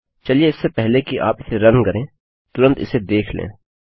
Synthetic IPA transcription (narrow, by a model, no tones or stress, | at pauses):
t͡ʃɐlieɪsːepɛɦlekiʔa̰ːpɪseɾɐ̃nkɐɾẽː | t̪ʊɾə̃nt̪ɪ̰sed̪eːkʰlḛ̃ː